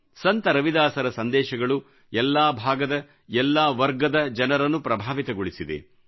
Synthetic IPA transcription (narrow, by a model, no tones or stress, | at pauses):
sɐnt̪ɐɾɐʋid̪aːsɐɾɐsɐnd̪ɛːʃɐɡɐɭu | ɛlːaːbʱaːɡɐd̪ɐ | ɛlːaːʋɐɾɡɐd̪ɐd͡ʒɐnɐɾɐnːupɾɐbʱaːʋit̪ɐɡoɭisid̪ḛ